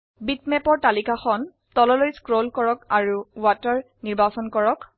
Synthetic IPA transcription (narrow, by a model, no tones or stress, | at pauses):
bitmɛpɔɹtalikaxɔn | tɔlɔlojskɹolkɔɹɔkaɹuwatɔɹ | niɹbasɔnkɔɹɔk